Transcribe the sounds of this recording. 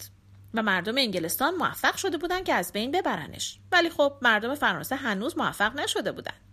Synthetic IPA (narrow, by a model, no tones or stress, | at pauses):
væmæɾd̪ome̞iŋɲɟelest̪ɒːnmoæ̰fːæɢ̥ʃo̞d̪e̞buːd̪æn̥̚cʰeæzbe̞jnbe̞bæɾæ̰ne̞̰ʃvæliːxob̥̚mæɾd̪o̞me̞fæɾɒ̰ːnseɦænuːzmoæ̰fːæɣnæʃo̞d̪e̞bṵːd̪æ̰nd̪̥